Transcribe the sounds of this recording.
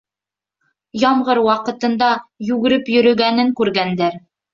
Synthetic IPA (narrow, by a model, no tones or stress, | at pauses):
jɑmʁɤɾwɑqɤ̆t̪ɤ̆nd̪ɑjʉɡɘ̆ɾɘpjɵ̆ɾɵ̆ɡænɘŋkʉɾɡænd̪æɾ